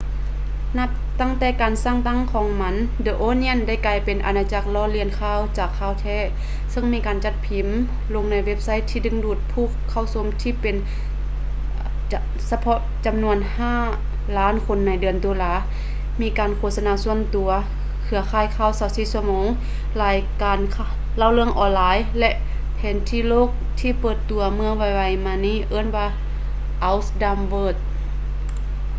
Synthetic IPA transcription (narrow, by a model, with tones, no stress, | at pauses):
na˧˥p̚t̪a˧˥˩ŋt̪ɛː˧˩kaː˨nsaː˧˥˨ŋt̪a˧˥˨ŋkʰɔː˨˦ŋma˧˥ndɤː˧ʔoː˧˨ni˧ə˨nda˥˩jkaː˨˧˩jpe˨nʔa̰˨naː˧t͡ɕa˧˩k̚lɔː˧˥˨li˧˩ənkʰaː˧˥˨wt͡ɕaː˨˩kʰːaː˧˥˨wt̪ʰɛː˧˥˨ | sɤ˧˨ŋmiː˧˥kaː˨nt͡ɕa˧t̪̚pʰi˨˩˦m | lo˧˨ŋna˧˩jwe˧˥p̚sa˧˥˨jt̪ʰiː˧dɯ˧˥˨ŋduː˧˩t̪̚pʰuː˧˩kʰːa˧˩˨wso˧˥˦mt̪ʰiː˧˨pe˨n | sa˧pʰɔ˧ʔt͡ɕa˨˩mnu˧ənhaː˧˩ | laː˦˥˨nkʰo˧˨nːa˧˩jdɯ˨˩əndo˨laː˧˥˨ | miː˧˥kaː˨nkʰoː˧˨sa˧naː˧˦su˧ənt̪u˨˩ɐ | kʰɯ˧˦ɐkʰaː˧˩jkʰaː˧˨wsaː˧˩wsiː˧˨su˧˩ɐmɔː˨˧˦ŋ | laː˨˧jkaː˨nkʰ | la˧˨wlɯ˧əŋʔɔː˧˩nlaː˨˦jlɛ˧ʔ | pʰɛː˨˦nt̪ʰiː˧˨loː˧˥˨k̚t̪ʰiː˧˨pɤː˧˩t̪ːu˨˩ɐmɯ˧ə˨ŋwa˧˩jwa˧˩jmaː˧niː˧˥˨ʔɤː˧˥˨nwaː˧˥ | ʔa˧wsda˧mbɤː˧˩t̪̚